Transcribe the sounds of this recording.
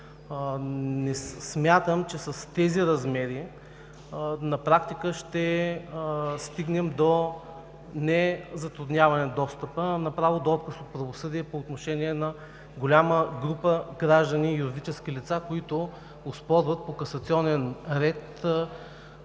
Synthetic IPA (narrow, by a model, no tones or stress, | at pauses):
nɛsmʲjat̪əmt͡ʃɛsɐst̪ɛziɾɐzmɛɾi | nɐpɾakt̪ikəʃt̪ɛ | st̪iɡnɛmd̪o | nɛzɐt̪ɾud̪nʲjavɐnɛd̪ɔst̪əpənɐpɾavod̪oɔt̪̚kəsot̪̚pɾɐvosɤd̪iɛpoːt̪noʃɛniɛnɐ | ɡolʲaməɡɾupəɡɾaʒd̪əniːjuɾid̪it͡ʃɛskʲilit̪sakoit̪ʊ | ʊspɔɾvɐt̪̚pokɐsɐt̪siɔnɛnɾɛt̪